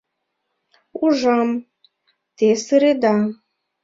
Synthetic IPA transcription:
uʒɑm | t̪esɨɾed̪a

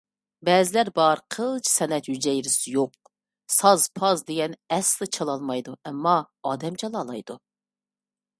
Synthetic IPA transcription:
bɛːzɪlæɾbɑɾqʰəlˠt͡ʃʰi̥sɛnɛt̪jyd͡ʒɛjɾɪsɪjoq̚ | sɑzpʰɑzd̪eɡʲɛnɛslˠɨt͡ʃʰɑlˠɑlˠmɑjd̪uɛmːɑ | ɑːd̪ɛmt͡ʃʰɛlˠɑːlˠɑjd̪u

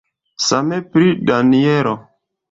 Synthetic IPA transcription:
samepɾidanieɾo

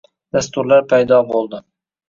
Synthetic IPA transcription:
d̪̥ast̪ʊɾlaɾpʰajd̪ɒbolˠd̪ɪ

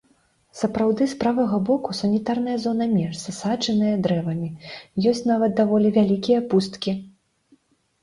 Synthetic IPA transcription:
sɐpɾawd̪ɨspɾavɐɣɐbɔkusɐnʲit̪arnɐjɐzɔnɐmʲɛrsɐsat͡ʂɛnɨjɐd̪ɾɛvɐmʲijɔsʲt͡sʲnavɐt̪̚d̪avɔlʲivʲalʲikʲijɐpust̪kʲi

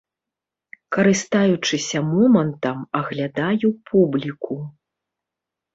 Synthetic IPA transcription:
kɐɾɨst̪ajut͡ʂɨsʲɐmɔmɐnt̪ɐmɐɣlʲad̪ajupʰublʲiku

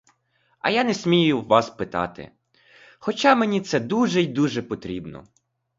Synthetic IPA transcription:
ɐ̰janɛsʲmʲijʊwʋɑspɪt̪ɑ̰t̪ɪ̰ | xɔt͡ʃɑmenʲit̪sɛd̪uʒɛjd̪uʒɛpɔt̪ɾʲibnɔ̰

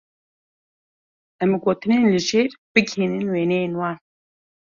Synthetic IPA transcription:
ʔɛmɡoːt̪ɨneːnlɨʒeːɾb̥ɨɡheːnɨnweːnɛjeːnwɑːn

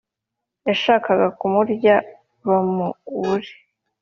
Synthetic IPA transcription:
jaʃaːkaɡakumuɾɟa | βamuβuɾe̥

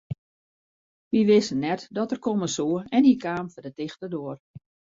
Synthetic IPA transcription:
ʋiʋɪsənːɛtdɔtərkoməsoːəɛnikaːmfədətɪxtədoːər

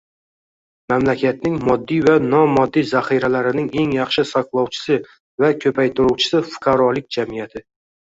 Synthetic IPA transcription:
mamlakʲat̪̚nɪŋmɒd̪ːijvanɒmɒd̪ːijzaχiɾalaɾɪnɪŋe̞ŋjɑχʃɪsaqlˠɒwt͡ʃʰɪ̥sɪ | vakʲʰɵpʰajt̪ʊɾuwt͡ʃʰɪ̥sɪfʊ̥qʰɑɾɒlɪk̚ʲd͡ʒamɪjat̪ʰɪ

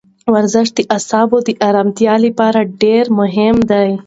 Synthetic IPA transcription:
wɐɾzɪʂ̚d̪iʔasɑːbod̪iʔaɾamt̪ijɑːlipɑːɾaɖeɾmʊɦɪmd̪aj

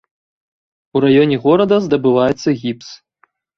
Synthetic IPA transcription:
uɾajɔnʲɛɣɔɾɐd̪ɐzd̪ɐbɨvajɛt̪sːɐɣʲips

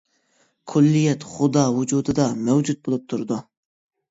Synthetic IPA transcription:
kʰʊlːijɛt̪χʊd̪ɑːwud͡ʒud̪ɨd̪ɑmɛwd͡ʒut̪̚bolˠup̚t̪ʰuɾd̪u

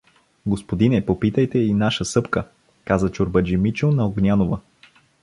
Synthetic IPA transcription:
ɡospod̪inɛpopit̪əjt̪ɛinaʃəsɤpkə | kazət͡ʃoɾbəd͡ʒimit͡ʃonɐoɡnʲanovə

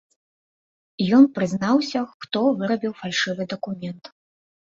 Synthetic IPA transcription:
jɔnpɾɨznawsʲɐxxt̪ɔvɨɾɐbʲiwfalʲʂɨvɨd̪ɐkumʲɛnt̪

